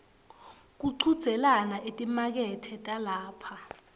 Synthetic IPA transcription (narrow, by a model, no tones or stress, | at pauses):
k̬uǀʰud̥z̥ʱɛlanaʔetʼimak̬ɛtʰɛtʼalaːpʰa